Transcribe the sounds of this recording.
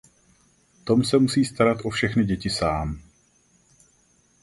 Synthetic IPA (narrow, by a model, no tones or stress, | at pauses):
t̪o̞msɛmusiːst̪aɾat̪ʔo̞fʃɛxnɪɟɛcɪsaːm